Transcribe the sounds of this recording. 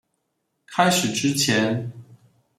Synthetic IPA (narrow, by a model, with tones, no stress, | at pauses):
kʰa˥ɪʂɻ̩˨˩ʈ͡ʂɻ̩˥t͡ɕʰjɛ˧˥n